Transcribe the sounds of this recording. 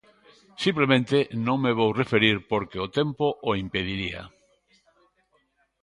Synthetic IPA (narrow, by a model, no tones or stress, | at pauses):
simplemẽnt̪enõŋmeβ̞owrefeɾiɾpoɾkeot̪empoʔoimpeð̞iɾia̰